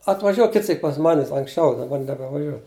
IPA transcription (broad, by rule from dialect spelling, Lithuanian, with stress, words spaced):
ɐtʋɐˈʒʲuɔ ˈkʲɪt ˈsʲiːk pɐs ˈmɑːnʲɪs ɐŋksʲˈt͡ʃʲɛʊ dɐˈbɐr nʲɛbʲɛʋɐˈʒʲuɔ